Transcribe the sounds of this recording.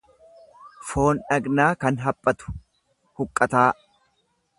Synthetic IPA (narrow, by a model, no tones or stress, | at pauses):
fo̞ːnᶑɐɡnaːkɐnɦɐpʼːɐt̪ʊ̥ | hʊkʼːɐt̪aː